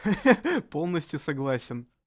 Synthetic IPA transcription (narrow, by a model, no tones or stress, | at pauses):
po̞lˠnəsʲtʲjʊsɐɡlˠasʲɪn